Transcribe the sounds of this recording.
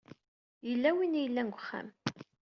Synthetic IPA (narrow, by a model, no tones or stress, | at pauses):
jəlːæwinjəlːænɡʷəχːæ̰m